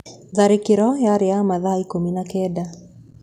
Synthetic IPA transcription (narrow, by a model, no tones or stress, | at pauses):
ðaɾikiɾɔjaɾjamaðaikominakɛda